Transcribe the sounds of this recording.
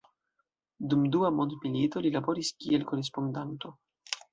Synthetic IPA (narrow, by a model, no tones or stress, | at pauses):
dumduamondmilito̞lilabo̞ɾiskielko̞ɾes̬po̞ndanto̞